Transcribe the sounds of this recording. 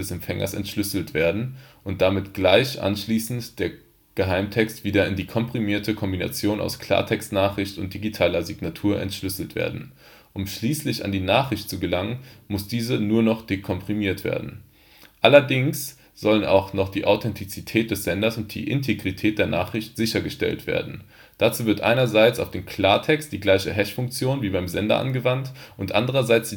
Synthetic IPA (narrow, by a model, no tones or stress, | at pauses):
ɛsɛmfɛŋɐ̰sɛ̰ntʃlʏsl̩tv̥eːɐdn̩ʔʊnt̚d̥amɪtɡ̥laɪçʔa̰nʃliːsn̩td̥eːɐ | ɡ̥əɦaɪmtʰɛkstv̥iːdɐɪndiːkʰɔmpʁ̥imiːɐtʰəkʰɔmbina̰t͡sjoːna̰ʊskʰl̥a̰ːɐtʰɛkstnaːχʁ̥ɪçtʊnt̚d̥iɡitʰaːlɐziɡnatʰuːɐʔɛ̰ntʃlʏsl̩tv̥ḛːɐdn̩ | ʔʊmʃliːslɪça̰ndiːnaːχʁ̥ɪçtt͡suɡəlaŋənmʊsd̥iːzənuːɐnɔχd̥ekʰɔmpʁ̥imiːɐtv̥ḛːɐdn̩ | ʔalɐdɪŋs | z̥ɔləna̰ʊxnɔχd̥iːʔaʊtʰɛntʰit͡sitʰɛːt̚d̥ɛsz̥ɛndɐsʊnt̚d̥ḭːʔɪ̰ntʰeɡʁitʰɛːt̚d̥eːɐnaːχʁ̥ɪçtz̥ɪçɐɡəʃtɛ̰ltv̥ḛːɐdn̩ | d̥at͡suːvɪɐtʔa̰ɪnɐzaɪt͡saʊfd̥eːnkʰl̥aːɐtʰɛkstd̥iːɡlaɪçəɦɛʃfʊŋk̚t͡sjoːnviːbaɪmzɛndɐ̰ʔa̰nɡəvantʔʊntʔa̰ndəʁ̞ɐzaɪt͡sd̥i